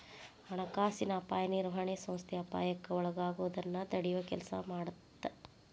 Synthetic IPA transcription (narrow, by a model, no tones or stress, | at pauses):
ɐɳɐkaːsinɐːpaːjɐniɾuɦɐɳeːsɐ̃m̃st̪ʰɛɐpa̰ːjɐkːɐɔɭɐɡaːɡuʋɐd̪ɐnːɐd̪ɐɽijʋɐkɛ̰lɐsɐ̰maːɽut̪ːe